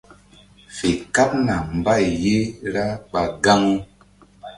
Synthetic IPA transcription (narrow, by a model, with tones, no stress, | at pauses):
fe˨ka˦p̚na˨m˨ba˦˨jje˦ɾa˦ɓa˨ɡa˦ŋ˦